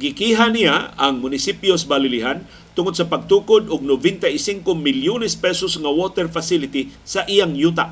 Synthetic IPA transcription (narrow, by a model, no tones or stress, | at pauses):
ɡikiɦaniaaŋmʊnɪsipjosbalɪliɦan | t̪ʊŋod̪sapaɡ̚t̪ukʊd̪ʊɡ̚nʊvɪnt̪aʔisiŋkomɪljunɛspɛsosŋawot̪ɛɾfasilɪt̪isaʔijaŋjuːt̪̬aʔ